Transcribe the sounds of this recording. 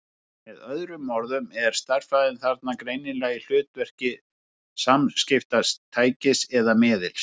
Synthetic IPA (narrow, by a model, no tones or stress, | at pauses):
mɛðœðɾʏmɔɾðʏmɛɾ̥st̪ar̥faːðɪnθaɾt̪nakɾeːjnɪnlaɣil̥ʏːt̪vɛr̥cɪ | samscɪft̪ast̪ʰaːjcɪsɛðamɪːðɪl